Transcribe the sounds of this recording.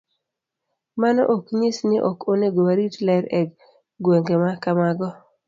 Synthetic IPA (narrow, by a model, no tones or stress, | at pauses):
manɔ̰ʔokɲɪsnɪʔɔkoneɡowaɾitlɛɾɛk | ɡweŋɡemakamaɡɔ